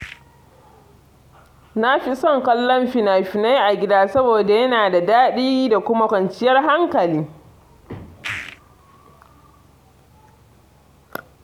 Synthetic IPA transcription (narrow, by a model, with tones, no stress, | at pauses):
na˦ɸi˦sɔ˦˨ŋkɐ˦lːɐ˦mɸi˦naː˨ɸɪ˨na˦jʔa˨ɡʲɪ˦daː˦sɐ˦boː˨da˨jɐ˦naː˨da˨daː˦ɗiː˦da˨kʷʊ˦ma˦kʷɐ˨nt͡ʃɪ˦jɐ˦rɦa˦ŋkɐ˨liː˦